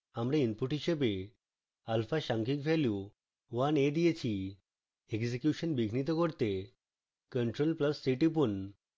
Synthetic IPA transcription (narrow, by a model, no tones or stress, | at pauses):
amɽẽinpuʈiɕebe | alfaɕãŋkikʋelju | ʋaned̪ijet͡ɕʰi | eksekjuɕənbiɡʱnit̪əkɔɽt̪e | kəɳʈɾolpləsːiʈip̬un